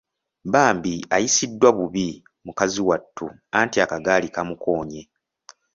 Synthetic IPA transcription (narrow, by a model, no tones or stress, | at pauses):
baːmbiajisidːwaβuβi | mukaziwatːu | antiakaɡaːlikamukʰo̞ːɲe̞